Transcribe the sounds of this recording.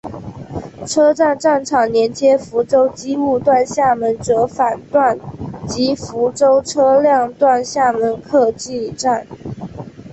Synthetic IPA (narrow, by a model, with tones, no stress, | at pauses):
ʈ͡ʂʰɤ˥ʈ͡ʂa˥˧nʈ͡ʂa˥˩nʈ͡ʂʰɑ˨˩ŋnjɛ˧˥nt͡ɕjɛ˥fu˧˥ʈ͡ʂo˥ʊt͡ɕi˥mu˥˧t̪wa˥˧nɕja˥˩mə˧˥nʈ͡ʂɤ˧˥fa˨˩nt̪wa˥˩nt͡ɕi˧˥fu˧˥ʈ͡ʂo˥ʊʈ͡ʂʰɤ˥ljɑ˥˧ŋt̪wa˥˧nɕja˥˩mə˧˥nkʰɤ˥˧t͡ɕi˥˧˩ʈ͡ʂa˥˩n